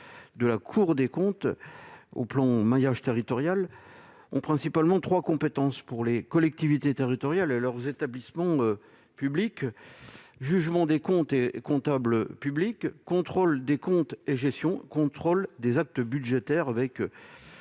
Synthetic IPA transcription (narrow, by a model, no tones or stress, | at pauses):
d̪əlakʰuʁd̪ekɔ̃t̪ | o̰plɑ̃majaʒt̪eʁit̪ɔʁjal | ɔ̃pχɛ̃sipalmɑ̃t̪χwakɔ̃pet̪ɑ̃spuʁlekɔlɛk̚t̪ivit̪et̪eʁit̪ɔʁjalelœʁzet̪ablismɑ̃ø | pyblik | ʒyʒmɑ̃d̪ekɔ̃t̪ekɔ̃t̪abləpyblikːɔ̃t̪χold̪ekɔ̃t̪eʒɛst̪jɔ̃kɔ̃t̪χold̪ezak̚t̪əbyd̪ʒet̪ɛʁavɛk